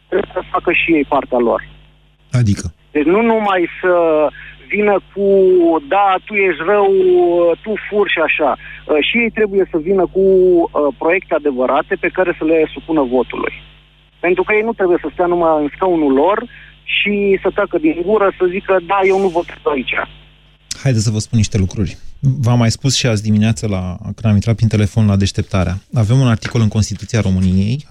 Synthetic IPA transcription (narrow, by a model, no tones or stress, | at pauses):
t̪ɾe̞bujesəfakəʃije̞jpart̪ealo̞̰r | ad̪ikəd̪̥e̞t͡ʃʲnunumajsə | vinəkʰud̪at̪uje̞ʃrəwət̪ufurʃiaʃaəʃije̞jt̪ɾe̞buje̞səvinəkuəpɾo̞je̞kt̪ead̪e̞vəɾat̪e̞pe̞kaɾe̞səle̞supunəvo̞t̪ṵlṵj | pe̞nt̪ɾukəjejnut̪ɾe̞buje̞səst̪anumaɨnskaunulo̞rʃisət̪akəd̪iŋɡuɾəsəzikəd̪aje̞wnuvot̪t̪ait͡ʃa̰ | hajd̪esəvəspunːiʃt̪e̞lukɾurʲvamːajspusʃiat̪s̬ʲd̪imineat̪səlakɨnd̪amint̪ɾat̪̚pɾint̪e̞le̞fo̞nlad̪e̞ʃt̪e̞p̚t̪aɾeaave̞munart̪iko̞lɨŋkonst̪it̪ut̪siaɾo̞mɨnije̞j